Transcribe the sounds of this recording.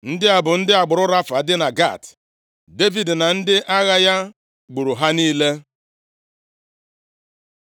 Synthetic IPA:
n̩˦dɪ˦a˨bʊ˨n̩˦dɪ˦a˨ɡ͡bʊ˨ɾʊ˦ɾa˦fa˨˦dɪ˦na˨ɡa̰˦˨t | de˦vi˨dna˨n̩˦dɪ˦ʔa˦ɣa˦ja˦ | ɡ͡bu˨ɾu˨ɦa˦niː˦le˦

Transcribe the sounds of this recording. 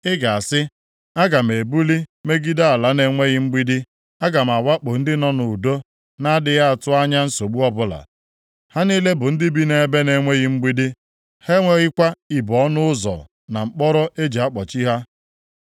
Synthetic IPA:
ɪ˦ɡa˨a˨sɪ˦ | a˦ɡa˨m̩˨e˨bu˦li˦me˦ɡi˦da˦a˨la˦ne˦ŋʷe˦ɣɪ˦ŋ͡m̩˦ɡ͡bi˦di˦ | a˦ɡa˨m˨a˨wa˦k͡pʊ˨n̩˦dɪ˦nɔ˦nʊ˨u˨do˦ | na˦dɪ˨ɣa˦a˨tʊ˦a˦ɲa˦n̩˦so˨ɡ͡bu˦ɔ˦bʊ˦la̰˨ | ha˦niː˦le˦bʊ˨n̩˦dɪ˦bi˦ne˨˦be˦ne˦ŋʷe˦ɣɪ˦ŋ͡m̩˦ɡ͡bi˦di˦ | he˦ŋʷe˦ɣɪ˦kʷa˦i˨bɔ˨˦nʊ˦ʊ˦zɔ̰˨ | na˨ŋ͡m̩˨k͡pɔ˦ɾɔ˦ʔe˦d͡ʒe˨a˦k͡pɔ˨t͡ʃi˦ɦa˦

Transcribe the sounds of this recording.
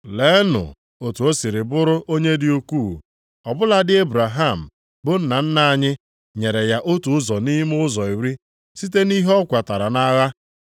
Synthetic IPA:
le˨˦nʊ̰˨ | o˨tu˨o˦si˨ɾɪ˨bʊ˦ɾʊ˦ʔo˦ɲe˦dɪ˦u˦ku˦˨ | ɔ˨bʊ˦la˨dɪ˦e˦bɾa˨ɦa˦˨m̩˨ | bʊ˦n̩˦˨na˨n̩˦na˦˨ɲɪ˦ | ɲe˨ɾe˨ja˦ʔo˦tu˨ʊ˦zɔ˨ni˦m˦ʊ˦zɔ˨i˨wi˦ | si˦t̬e˦ni˦ɦɔ˦kʷa˨ta˨ɾa˨na˦ɣa˦

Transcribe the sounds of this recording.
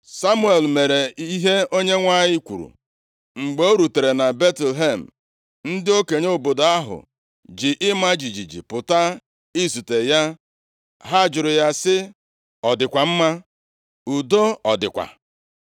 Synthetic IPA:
sa˦mu˦e˨lme˨ɾe˨i˦ɦe˦o˦ɲe˦ŋʷa˦ɲɪ˦kʷṵ˨ɾṵ˨ | ŋ͡m̩˨ɡ͡bo˦ɾu˨te˨ɾe˨na˨be˦tlɦe˦˨m̩˨ | n̩˦dɪ˦o˦ke˨ɲ˦o˦˨bo˨do˨a˦ɦʊ̰˨ | d͡ʒɪ˨ʔɪ˦ma˦d͡ʒi˨d͡ʒi˨d͡ʒḭ˨pʊ˨ta˦ | i˦su˨te˨ja˦ | ɦa˦˨d͡ʒʊ˨ɾʊ˨ja˦sɪ˦ | ɔ˨dɪ˨kʷa˨m̩˦ma˦ | u˨do˦ɔ˨dɪ̰˨kʷa̰˨

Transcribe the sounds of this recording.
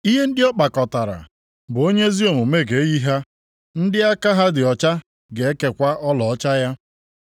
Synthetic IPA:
i˦ɦe˦n̩˦dɪ˦ɔ˦k͡pa˨kɔ˨ta˨ɾa̰˨ | bʊ˨o˦ɲe˦zi˦o˨mʊ˨me˦ɡe˨˦ɣi˦ɦa˦ | n̩˦dɪ˦a˦ka˦ɦa˦dɪ˨ɔ˨t͡ʃa˦ | ɡe˨e˦ke˨kʷa˦ʔɔ˦lɔ˨ɔ˦t͡ʃa˦ja˦

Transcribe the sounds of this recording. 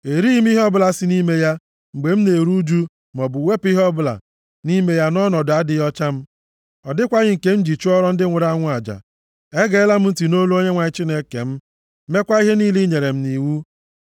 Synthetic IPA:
e˨ɾi˦m̩˦i˦ɦɔ˦bʊ˦la˨si˨˦ni˦me˦ja˦ | ŋ͡m̩˨ɡ͡be˨m̩˦ne˨ɾu˦d͡ʒu˦ | m˨ɔ˨bʊ˨we˦pi˦ɦɔ˦bʊ˦la̰˨ | ni˦me˦ja˦nɔ˦nɔ˨dʊ˨a˦dɪ˦jɔ˦t͡ʃa˦m̩˦ | ɔ˨dɪ˦kʷa˦ɣɪ˦ŋ̩˨ke˦n̩˦d͡ʒi˨t͡ʃu˦ɔ˦ɾɔ˦n̩˦dɪ˦ŋʷʊ˨ɾa˦ŋʷʊ˦a˨d͡ʒa̰˨ | e˦ɡe˨˦la˦m̩˦n̩˦ti˨no˦lu˦o˦ɲe˦ŋʷa˨ɪ˦t͡ʃi˦ne˦kḛ˨m̩˦ | me˦kʷa˦i˦ɦe˦ni˦li˦ɲe˨ɾe˨m̩˦ni˨wu˦

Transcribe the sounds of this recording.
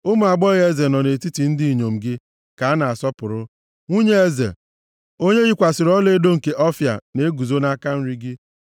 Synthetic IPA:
ʊ˦mʊ˨a˨ɡ͡bɔ˦ɣe˦ze˨nɔ˨ne˨ti˦ti˨n̩˦di˦i˨ɲo˨m̩˨ɡɪ˦ | ka˨a˦na˨a˨sɔ˦pʊ˨ɾʊ˦ | ŋʷu˦ɲe˦e˦zḛ˨ | o˦ɲe˦ɣi˦kʷa˨sɪ˨ɾɔ˦le˦do˦ŋ̩˨ke˨ʔɔ˦fja̰˨ne˨˦ɡu˨zo˦na˦ka˦n̩˦ɾi˦ɡɪ˦

